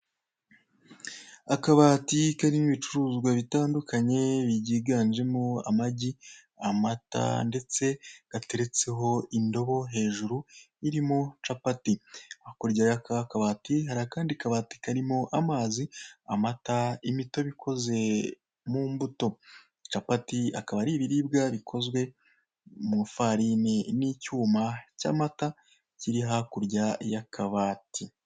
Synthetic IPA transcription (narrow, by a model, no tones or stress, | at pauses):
akaβaːtikaɾimiβit͡ʃuɾuːzɡwaβitaːndukʰaɲe̞βiɟiːɡaːnʒe̞moa̰maɟi | amata̰nde̞t͡se̞ɡ̥ate̞ɾe̞t͡se̞ɦo̞indo̞βo̞ɦe̞ːʒuɾu | iɾimot͡ʃapatiβakoɾɟaɾakakaβaːtiɦaɾakaːndikaβati̥kaɾimo̞ʔamaːziamataimito̞βikʰo̞ze̞ | muːmbuto̞ | t͡ʃapatiakaβaɾiːβiɾiːbɡaβikʰo̞zwe̞ | mufaɾinenicuːmaca̰mata | ciɾiɦakuɾɟajakʰaβaːtʰi